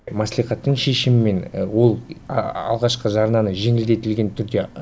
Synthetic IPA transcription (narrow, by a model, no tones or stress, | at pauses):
mɑslˠijχɑt̪ːəɴʃe̞ʃɪmɪme̞nwo̞lˠɑ̰lˠʁɑʃqəʒɑɾnɑnəʒe̞ŋɪld̪e̞t̪ɪlɡʲe̞nt̪ʰʏɾd̪e̞